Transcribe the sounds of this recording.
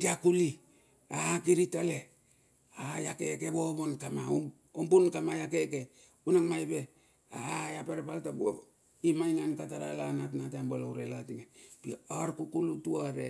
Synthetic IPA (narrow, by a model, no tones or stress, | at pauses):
diakuli | akiɾitale | ajakekeβobonkamau | ombunkamajakeke | unaŋmajbe | ajapeɾepaltabuo̰ | imajŋankataɾa̰lanatnatambolouɾelatiŋepiaɾkukulutuaɾe